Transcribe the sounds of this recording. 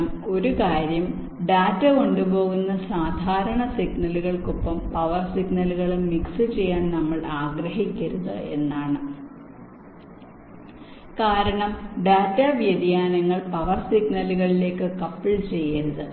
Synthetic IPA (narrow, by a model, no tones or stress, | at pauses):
mo̞ɾukaːɾjɐm | ɖaːtːɐko̞ɳɖubo̞ːɣunːɐsaːd̪ʱaːɾɐɳɐsiɡnɐluɣɐɭkopːɐmpɐʋɐrsiɡnɐluɣɐɭɨmiksɨt͡ɕe̞jːaːnnɐmːɐɭaːɡɾɐɦikʲːɐɾuðɨ̰e̞nːaːɳɨ | kaːɾɐɳɐmɖaːtːɐʋjɐd̪jaːnɐŋːɐɭpɐʋɐrsiɡnɐluɣɐɭile̞ːkːɨkɐpːiɭt͡ɕe̞jːɐɾuðɨ